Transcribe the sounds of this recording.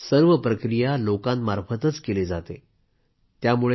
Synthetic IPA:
səɾʋəpɾəkɾijalokãnmaɾfət̪ət͡skeled͡zat̪e | t̪jamuɭe

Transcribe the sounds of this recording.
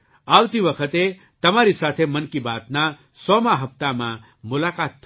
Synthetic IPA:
aːwt̪iʋɐkʰət̪e | t̪ɐmaːɾisaːt̪ʰemɐnkibaːt̪na | sɔmãɦɐpt̪amã̰ | mʊlaːkaːt̪ː

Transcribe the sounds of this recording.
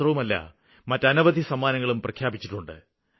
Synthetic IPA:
rɐʋumɐlːɐ̰ | mɐtːɐnɐʋɐd̪ʱisɐmaːnɐŋːɐɭumprɐkʰjaːbit͡ɕːiʈːuɳɖɨ̰

